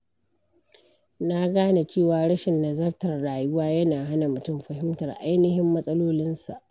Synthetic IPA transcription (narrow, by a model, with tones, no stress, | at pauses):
na˦ɡaː˦na˨t͡ʃeː˦˨waː˨ɽɐ˦ʃɪ˨nːa˨zɐ˦rtɐ˨rɽaː˨jʊ˦waː˦jɐ˦naː˨ɦa˦na˨mʊ˨tʊ˦˨mɸɐ˨hɪ˦mtɐ˨rʔa̰˦jnɪ˦hɪ˦mːɐ˦sʼɐ˦loː˦lɪ˦nsa̰˨ʔ